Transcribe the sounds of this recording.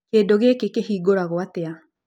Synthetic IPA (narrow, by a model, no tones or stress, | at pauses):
keːdoɣekekehiːɡoɾaɣoatea